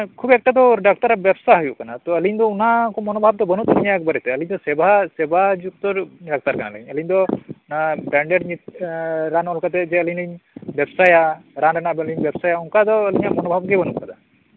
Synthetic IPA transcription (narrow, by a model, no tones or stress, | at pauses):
kʰubɛk̚ʈad̪ɔɖak̚t̪aɾabɛbsaɦɔjuʔkanat̪ɔəliɲd̪ɔunakɔmɔnɔbʱab̚d̪ɔbənut̪aniɲak̚bəɾɛt̪ɛəliɲd̪ɔsɛbʱasɛbʱad͡ʒuk̚t̪ɔɖak̚t̪aɾkana̰lə̰ɡiɲəliɲd̪ɔnabaɳɖeɖɲit̪̚ɾanɔlkat̪ɛd͡ʒɛəliɲəɲbɛbsajaɾanɾɛnabliɲbɛbsajauŋkad̪ɔəliɲamɔnɔbʱabɡɛbənupkad̪a